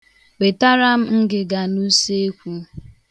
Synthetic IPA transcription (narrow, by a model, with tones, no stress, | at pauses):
we˨ta˦ɾa˦m̩˦ŋ̩˦ɡɪ˨ɡa˨nu˦se˦e˦kʷu˦